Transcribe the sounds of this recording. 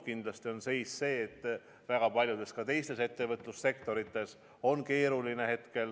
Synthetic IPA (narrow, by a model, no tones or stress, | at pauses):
kind̪lɑst̪io̞nse̞jsse̞ːt̪ːˑ | væɡ̥ɑpɑlʲjud̪̥e̞skɑt̪e̞jst̪e̞se̞t̪ːe̞vɤt̪ˑlusːe̞kt̪o̞ɾit̪ːˑe̞s | o̞nke̞ːɾuline̞he̞t̪ke̞l